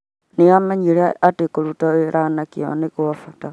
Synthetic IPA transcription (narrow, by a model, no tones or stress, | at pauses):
niamaɲiɾeatekoɾutaeɾʔanakio̰nekuafata